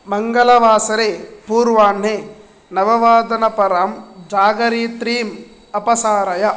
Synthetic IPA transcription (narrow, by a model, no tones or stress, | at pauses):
mɐŋɡɐlɐʋaːsɐɾeːpuːɾʋaːnɦeː | nɐʋɐʋaːd̪ɐnɐpɐɾɐmd͡ʒaːɡɐɾiːt̪ɾiːm | ɐpɐsaːɾɐjɐ